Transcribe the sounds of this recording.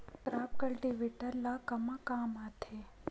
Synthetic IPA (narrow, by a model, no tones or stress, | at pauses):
ʈɾaːp̚kəɭʈiʋiʈəɾlakɐmãkaːmat̪ʰe